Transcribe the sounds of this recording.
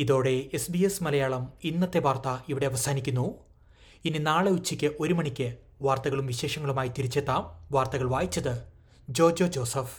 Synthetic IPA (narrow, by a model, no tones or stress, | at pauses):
iðo̞ːɽe̞esbiesmɐlɐjaːɭɐminːɐt̪ːe̞bʱaːrt̪ːɐiʋiɽeɐʋɐsaːnikʲːunːu | ininaːɭeut͡ɕːikʲːɨʔo̞ɾumɐɳikʲːɨ | ʋaːrt̪ɐɣɐɭumʋiɕe̞ːʂɐŋːɐɭumaːjit̪iɾit͡ɕːet̪ːaːmʋaːrt̪ɐɣɐɭʋaːjit͡ɕːɐðɨ | d͡ʑo̞ːd͡ʑod͡ʑo̞ːsɐf